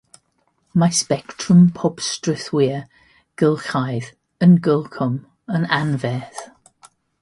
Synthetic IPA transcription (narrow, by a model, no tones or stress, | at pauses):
maspɛktʰrʊmpʰɔb̥strɪθwiə | ɡ̥əlˠxajð | ənɡəlˠkʰɔm | ənanvɛːθ